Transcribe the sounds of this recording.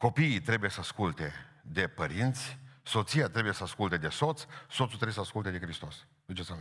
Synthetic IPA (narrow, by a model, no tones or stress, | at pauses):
ko̞piːt̪ɾe̞bujesəaskult̪e̞ | d̪e̞pəɾint̪sʲso̞t̪sijat̪ɾebujesəaskult̪e̞d̪e̞so̞t̪sso̞t̪sut̪ɾejesaskult̪ed̪ekɾist̪o̞s | d̪ut͡ʃesa